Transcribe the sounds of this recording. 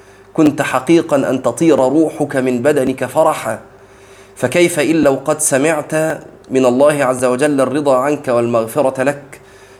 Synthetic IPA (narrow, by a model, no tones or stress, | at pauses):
kʊnt̪ħɑqiːqɑnʔa̰nt̪ɑt̪ˤiːɾˤɑɾˤuːħʊkamɪnbad̪anɪkafɑɾˤɑħaː | fakajfaʔɪlːawqɑd̪samɪʕt̪a | mɪnalˤːɑːhɪʕazːawad͡ʒalːarːɨd̪ˤɑːʕankawalmaɣfɪɾˤɑlak